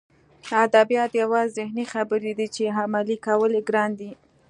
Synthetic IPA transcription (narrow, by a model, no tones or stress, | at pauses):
ad̪abjɑt̪jawɑzzɪhnixabəɾed̪it͡ʃeɦamalikawəleɡɾɑnd̪i